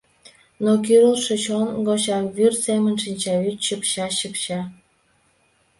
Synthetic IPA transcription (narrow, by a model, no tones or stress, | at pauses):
nok̬yɾəlʃĕt͡ɕonɡot͡ɕɑβyrsemə̆nʃinʲt͡ɕɑytɕəpɕɑɕəpɕɑ